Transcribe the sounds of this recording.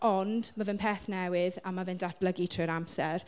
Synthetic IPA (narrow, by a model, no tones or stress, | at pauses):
ɔndmavɛnpʰɛːθnɛwɪðamavɨndad̚b̥ləɡitʰrɪɾamsɛr